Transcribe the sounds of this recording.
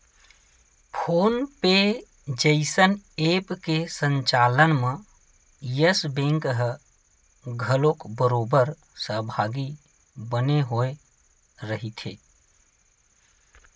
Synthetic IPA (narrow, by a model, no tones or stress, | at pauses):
pʰoːnpe | d͡ʒəɪsəneːpkesə̃ɲt͡ʃalənmẽ | jəsbẽːŋkɦ | ɡʱəlokbəɾoːbəɾ | səɦbʱaːɡi | bəneɦoe | ɾəɦit̪ʰḛ